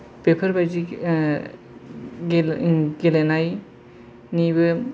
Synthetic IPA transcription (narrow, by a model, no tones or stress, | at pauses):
pepʰɐɾbajzi | ɡelenaj | nibɯ